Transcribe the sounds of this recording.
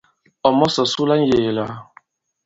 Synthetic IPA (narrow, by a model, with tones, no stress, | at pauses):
ɔ˨mɔ˦sɔ˨su˦la˦n̩˦je˨la˦